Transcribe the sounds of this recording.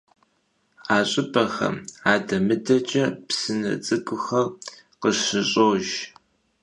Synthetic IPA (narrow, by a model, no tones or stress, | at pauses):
aːɕʼɪpʼɐxɐ̰maːdɐmɨdɐt͡ʃʼɐpsɨnɐ̰t͡sʼɨkʷʼʊxɐr | qəɕɨɕʼoːʒ